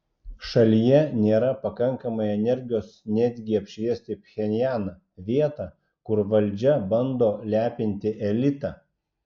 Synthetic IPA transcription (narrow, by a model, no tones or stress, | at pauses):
ʃɐlʲijɛnʲeːɾɐpɐkɐŋkɐmɐɪɛnʲɛɾʲɡʲɪjoːsnʲæːd̪ʲɡʲɪɐpʲʃʲʋʲiɛsʲt̪ʲɪpʲxʲɛnʲjæːnɐ | ʋʲiɛt̪ɑ | kʊɾʋɐlʲˑd͡ʒʲɛbɐnd̪oːlʲæːpʲɪnʲt̪ʲɪʔɛlʲɪt̪ɑː